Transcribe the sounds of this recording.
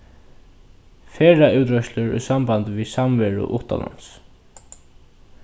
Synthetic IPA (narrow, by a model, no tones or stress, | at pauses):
feːɹauwt̪ɾœʃlɪɹɛ̰sambant̪visamvɛɹʊ̰ʔʊht̪a̰la̰ns